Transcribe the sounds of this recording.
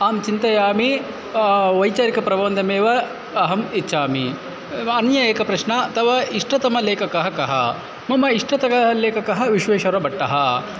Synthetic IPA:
aːmt͡ʃint̪ɐjaːmi | ʋɐjt͡ʃaːɾikɐpɾɐʋoːnd̪ʱɐmeːʋɐ | ɐɦɐmitːʃʰaːmi | ɐnjɐeːkɐpɾɐʃɳɐt̪ɐʋɐiʂʈɐt̪ɐmɐleːkɐkɐɦɐkɐɦɐ̰ | mɐmɐiʂʈɐt̪ɐkɐɐleːkɐkɐɦɐʋiʃʋeːʃɐɾɐbɐʈːɐɦɐ

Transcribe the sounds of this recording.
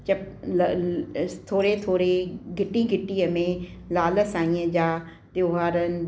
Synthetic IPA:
t͡ɕɐb̚ | t̪ʰoːɾet̪ʰoːɾeɡʱɪʈiɡʱɪʈiːəmẽ | laːləsãːĩːə̃d͡ʑaː | t̪joːɦaːɾənɪ̆

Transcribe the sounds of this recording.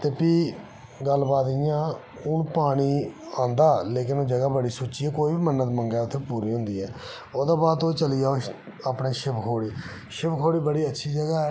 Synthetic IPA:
t̪eːpiː | ɡəlbaːd̪ɪjãː | ʊnpaːɽ̃iːãːnd̪aːleːkɪnoːd͡ʒəɡaːbəɽiːsoːt͡ʃiːɛːkoːiːbiːmənːət̪məŋɡɛːʊt̪ʰːeːpuːɾiːɦʊ̃nd̪iːɛː | oːd̪ãːbaːd̪oːt͡ʃəlɪjaːo | aːpɽeːʃɪbkʰoːɽiː | ʃɪbkʰoːɽiːbəɽiːətːʃʰiːd͡ʒəɡaːɛː

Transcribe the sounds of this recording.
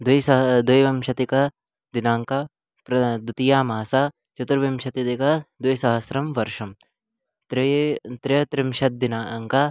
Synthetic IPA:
d̪ɐjsɐd̪ɐjʋɐmʃɐt̪ikɐ | d̪inaːŋka | pɾɐd̪ut̪ijaːmaːsaː | t͡ʃɐt̪uɾʋɐmʃɐt̪it̪ikɐd̪jsɐɦɐsɾɐmʋɐɾʃɐm | t̪ɾt̪ɾit̪ɾimʃɐt̪̚d̪inaŋka

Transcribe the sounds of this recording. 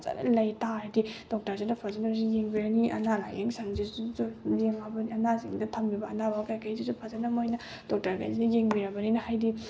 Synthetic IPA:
za̰nɐ̰lɐjtaɾadid̥ɔk̚tɐɾzinɐpʰazanɐbzijeŋbiɾaniʔɐ̰nalajeŋsaŋzizzujeŋabɐniɐnaziŋdɐtʰɐmjibɐːnabakajkʰajzizupʰazanɐmojnɐ | d̥ɔk̚tɐɾka̰jzinɐjeŋbiɾɐbɐninɐhajdi

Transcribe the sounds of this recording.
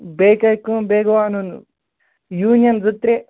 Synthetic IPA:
beːkɐjkːũbeːɡɐʋaːnunu | juːnjɐnd͡zut̪ːɾe

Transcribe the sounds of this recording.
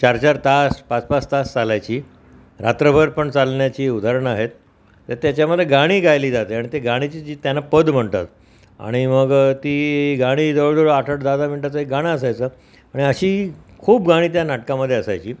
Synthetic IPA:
t͡ɕaɾt͡ɕaɾt̪aspat͡spast̪ast͡salajt͡ɕiː | ɾat̪ɾəbʱəɾpəɳt͡salɳjat͡ɕiːud̪ʱaɾəɳaɦet̪ː | əɾt̪jat͡ɕjaməd̪ʱːjeɡaɽ̃iːɡajliːd͡zat̪eaɽ̃it̪eɡaɽ̃it͡ɕiːd͡ʑiːt̪janːapəd̪m̤əɳt̪a̰t̪ | a̰ɽ̃iməɡt̪iːɡaɽ̃iːd̪əʋɭd̪oɭaʈʰəʈd̪ad̪ʱam̤iɳʈ̪at͡səɦekɡaɽ̃aəsajt͡səː | aɽ̃iəɕiːkʰuːb̚ɡaɽ̃iːt̪̬janaʈkaməd̪ʱːjeəsajt͡ɕiː

